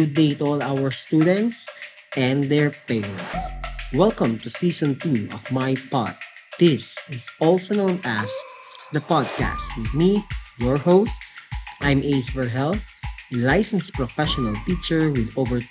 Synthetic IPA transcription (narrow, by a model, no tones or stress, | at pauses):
ʊd̪eɪt̪ɔlawəɹst̪ud̪ɛ̃nt̪s | ʔɛ̃nd̪ɛɹpeɹɛ̃nt̪swɛlkə̃mt̪usisɔ̃nt̪uɔ̰vmajpɑ̰t̪̚d̪̥ɪsɪsɔlsonõʊ̃næs | d̪ɐpɑd̪̚kæ̰stwɪd̪mijɔɹhoʊst̪ʔãjmeɪsbɛɹɦɛlθlajsɛ̃nspɹɔfɛʃɔnalpik̚t͡ʃɛɹwɪd̪ovɛɹ